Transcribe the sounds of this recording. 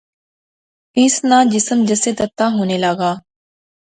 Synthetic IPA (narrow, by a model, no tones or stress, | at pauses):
ɪsnãːd͡ʒɪsəmd͡ʒəseːt̪ət̪ːaːɦoːneːlaːɡaː